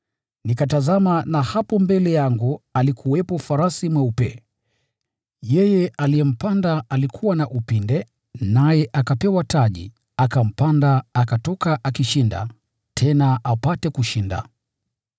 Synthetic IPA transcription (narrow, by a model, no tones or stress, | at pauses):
nikatazamanahapɔmbɛlɛjaŋɡualikʰuwɛpɔfaɾasimwɛupɛ | jɛjɛʔalijɛm̩pandaalikʰuwanaʔupindɛ | najɛʔakapɛwataʄḭ | akam̩pandaakatɔkaʔakiʃinda̰ | tʰɛnaʔapatɛkuʃinda̰